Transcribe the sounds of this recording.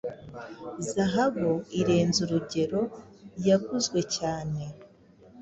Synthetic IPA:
zaɦaβuiɾe̞ːnzuɾuɟe̞ɾo̞jaɡuzɡwe̞caːne̞

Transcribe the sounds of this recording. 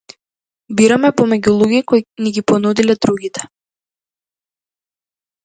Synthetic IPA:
biɾamɛpɔmɛɟulˠuɡikojniɡʲipɔnud̪ilɛd̪ɾuɡʲit̪ɛ̥

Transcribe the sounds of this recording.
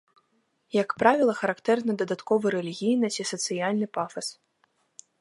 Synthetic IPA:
jɐkpɾavʲilˠɐxɐɾakt̪ɛrnɐd̪ɐd̪at̪kɔvɨɾɛlʲiɣʲijnɐisɐt̪sɨjalʲnɨpafɐs

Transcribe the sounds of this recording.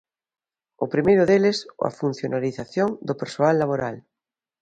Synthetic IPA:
ʊpɾimejɾʊðelɪso̰a̰fun̟θjonaliθaθjoŋd̪opeɾsoalːaβ̞oɾal

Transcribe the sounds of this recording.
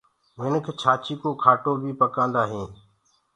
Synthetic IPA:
ʋɪnəkʰeːt͡ʃʰaːt͡ʃiːkoːkʰaːʈoːbʱiːpəkãːnd̪aːɦĩː

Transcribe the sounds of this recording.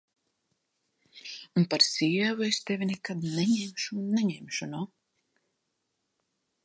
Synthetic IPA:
unpaɾsʲiɛvuest̪evʲinɛkad̪nɛɲɛmʃunːɛɲɛmʃunuː

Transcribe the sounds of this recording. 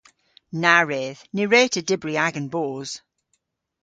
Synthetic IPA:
naɹeːðnɪɹeːtʰədɪbɹiaɡə̃nboːz̥

